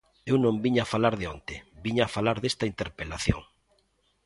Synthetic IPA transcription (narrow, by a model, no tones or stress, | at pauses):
ewnõmbiɲaafalaɾðeont̪ebiɲafalaɾðest̪aint̪eɾpelaθjo̰ŋ